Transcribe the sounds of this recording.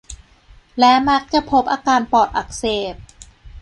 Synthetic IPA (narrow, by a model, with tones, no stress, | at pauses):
lɛ˦˥ma˦˥k̚t͡ɕa˨˩pʰo˦˥p̚ʔaː˧kaː˧npɔː˨˩t̪̚ʔa˨˧˩k̚seː˨˩p̚